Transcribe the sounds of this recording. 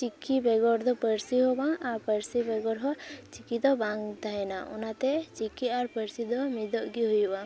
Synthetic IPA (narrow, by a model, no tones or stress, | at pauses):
t͡ʃikːibɛɡɔɾd̪ɔpəɾsiɦobaŋaɾpəɾsibɛɡɔɾɦɔt͡ʃikid̪ɔbaŋɡd̪ʱaɛnaʔṵnat̪ɛt͡ʃikiaɾpəɾsid̪ɔmid̪ɔʔɡiɦujubã